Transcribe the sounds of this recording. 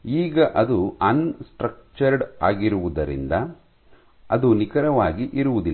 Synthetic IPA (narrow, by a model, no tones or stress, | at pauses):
iːɡɐʔɐd̪uɐnsʈɾɐk̚t͡ʃɐɾɖaːɡiɾuʋud̪ɐɾḭnd̪ɐ | ɐd̪unikɐɾɐʋaːɡiʔiɾuʋud̪ilː